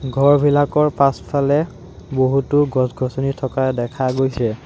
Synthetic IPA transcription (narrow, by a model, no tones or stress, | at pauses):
ɡʱɔɹbʱilakɔɹpãspʰalɛ | boɦutʊɡʱɔsɡʱɔsonitʰɔkadɛkʰaɡojsɛ